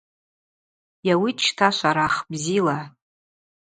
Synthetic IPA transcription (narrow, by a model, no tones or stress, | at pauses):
jawit͡ʃʰtʰaʃʷaɾaχbzila